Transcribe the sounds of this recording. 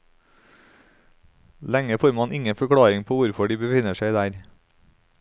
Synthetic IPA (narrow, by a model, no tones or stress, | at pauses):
lɛŋəfoːɾmɑnʔɪŋəfɔkʰɽɑːɾɪŋpʰoːʋʊɾfɔɖiːbəfɪnəʃæɪd̪æːɾ